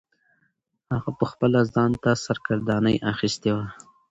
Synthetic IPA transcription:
haɣapəxpəlazɑnt̪asaɾɡaɾd̪ɑnəjʔaxist̪ewa

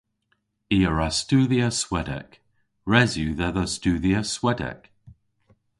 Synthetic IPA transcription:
iːəɹastuːðiəswɛdɛ̰k | ɹɛzjuːðɛðəstuːðiəswɛdɛ̰k

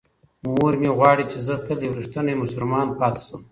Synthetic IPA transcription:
muɾmeɣwɑɽit͡ʃezət̪əlewɾiʂt̪ənaemʊsʊlmɑnpɑt̪ḁsəm

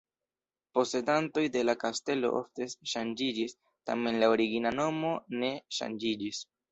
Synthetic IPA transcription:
po̞se̞danto̞jde̞lakaste̞lo̞̰ʔo̰ftesʃand͡ʒid͡ʒis | ta̰me̞nlaoɾiɡinano̞mo̞ne̞ʃa̰nd͡ʒid͡ʒis

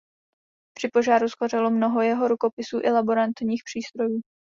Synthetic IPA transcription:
pr̝̥ɪpo̞ʒaːɾusxor̝ɛlo̞mno̞ɦo̞jɛɦo̞ɾuko̞pɪsuːʔɪlabo̞ɾant̪ɲiːxpr̝̥iːst̪ɾo̞juː

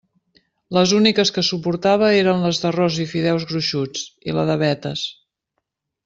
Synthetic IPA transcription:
ləzunikəskəsupuɾt̪aβ̞əeɾənləzðərɔzifiðɛwzɣɾuʃut͡silə̰ðəβɛt̪əs

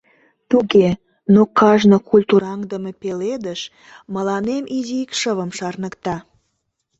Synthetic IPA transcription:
t̪uɣe | nokɑʒnokulʲt̪uɾɑŋd̪əmepeled̪əʃ | məlɑnemʔiziikʃəβəmʃɑrnəkt̪ɑ

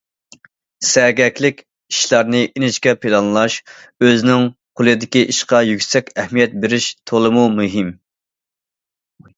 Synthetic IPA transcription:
sɛɡʲɛkʲlɪkʲ | iʃlˠɑɾnɨʔinɪt͡ʃkʲɛpʰilˠɑnlˠɑʃ | øznɪŋqʰʊlˠɨd̪ɪkʲiʔiʃqɑjykʲsɛkʲɛhmijɛt̪̚beɾɪʃt̪ʰolˠɨmumyɦɪm

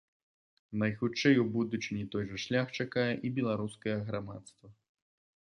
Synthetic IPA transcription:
nɐjxut͡ʂɛjwbud̪ut͡ʂnʲit̪ɔjʐɐʂlʲaxt͡ʂakajɛʔibʲɛlˠaɾuskɐjɐɣɾamat̪st̪vɐ

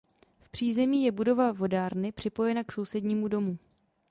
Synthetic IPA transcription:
fpr̝̥iːzɛmiːjɛbudo̞vavo̞daːɾnɪpr̝̥ɪpo̞jɛnakso̞wsɛdɲiːmudo̞mu

